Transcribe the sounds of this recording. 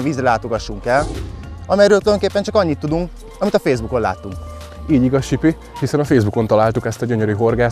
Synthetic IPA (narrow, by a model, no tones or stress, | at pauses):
nviːzrɛlaːt̪o̞ɡɒʃːuŋkɛlɒmɛjɾøːlt̪yld̪oŋkeːpːɛnt͡ʃɒkɒɲːit̪ːud̪uŋk | ɒmit̪ɒfeːzbuko̞nla̰ːt̪ːuŋk | iːɟiɡɒsʃipi | hisɛnɒfeːzbuko̞nt̪ɒlaːlt̪ukɛst̪ɒɟøɲø̞ɾyɦo̞rɡaː